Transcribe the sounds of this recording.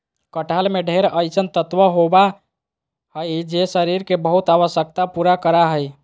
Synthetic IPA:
kəʈalmeɖʱeɾəjsənt̪ət̪ʋəɦoba | ɦəjd͡ʒesəɾiɾkebəɦut̪aβəsjək̚t̪apuɾakəɾaɦəj

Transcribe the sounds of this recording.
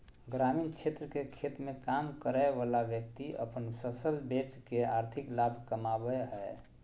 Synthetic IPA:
ɡɾamint͡ʃʰet̪ɾəkekʰet̪mẽkamkəɾaeʋalabjək̚t̪iə̰pənsəsəlbet͡ʃkeaɾt̪ʰiklabʱkəmabəɦɛ

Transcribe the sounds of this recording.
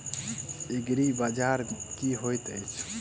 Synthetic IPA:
eɡɾibad͡ʒaɾkiɦojt̪əjt͡ʃʰ

